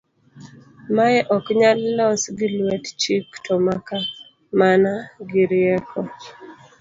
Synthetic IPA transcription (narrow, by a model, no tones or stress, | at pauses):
maɛʔɔkɲalːɔsɡɪlwɛtt͡ʃiktʰɔmaka | manaɡiɾɪɛkʰɔ